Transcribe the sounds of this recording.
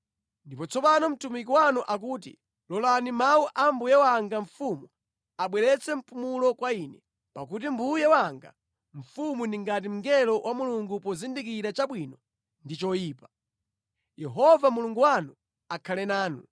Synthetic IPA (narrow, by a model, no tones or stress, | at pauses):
ndipɔt͡sʰɔpanɔm̩tumik̬iwanuʔak̬uːt̬ḭ | lɔlanimawuʔambujɛwaŋɡaɱ̩fumu | aɓwɛɾɛt͡sʰɛm̩pumulɔkwainɛ | pak̬ut̬imbujɛwaŋɡa̰ | ɱ̩fumundiŋɡat̬im̩ŋɡɛlɔwʔamuluŋɡupɔzindik̬iɾat͡ʃaɓwinɔ | ndit͡ʃɔjiːpḁ | jɛɦɔvamuluŋɡuwanu | akʰalɛnaːnu